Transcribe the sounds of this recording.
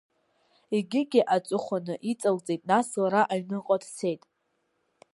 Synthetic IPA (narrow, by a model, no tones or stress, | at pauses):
iɡʲɪɡʲɪʔat͡sʼʊχʷanɨʔit͡sʼalt͡sʼejtʼnaslaɾaʔaɥnɨqʼadse̞jtʼ